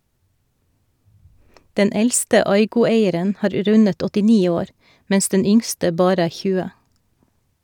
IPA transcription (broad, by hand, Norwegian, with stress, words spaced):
ˈdɛn ˈɛlstə ˈɑɪɡʊˌeɪəɾən ˈhɑːɾ ˈɾʉnət ɔtɪˈniː ˈoːɾ ˈmɛns ˈdɛn ˈʏŋstə ˈbɑːɾ ˈæː ˈçʉːə